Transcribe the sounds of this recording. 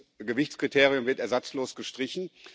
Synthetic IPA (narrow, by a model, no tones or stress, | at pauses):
ɡəvɪçt͡skʁ̥itʰeːʁijʊmvɪɐtɛɐzat͡sloːsɡ̥əʃtʁ̥ɪçn̩